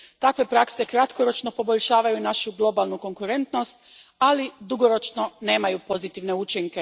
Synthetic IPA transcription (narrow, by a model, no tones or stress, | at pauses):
t̪akʋe̞pɾakse̞kɾat̪ko̞ɾo̞t͡ʃno̞po̞bo̞ʎʲʃaːʋajunaʃuɡlˠo̞balˠnuko̞ŋkuɾe̞nt̪no̞st̪ | alid̪uɡo̞ɾo̞t͡ʃno̞ne̞ːmajupo̞zit̪iʋne̞ut͡ʃiŋke